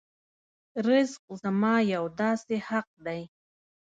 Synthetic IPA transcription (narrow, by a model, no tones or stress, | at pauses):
ɾɪzq̚zamɑjawd̪ɑsehaq̚d̪aj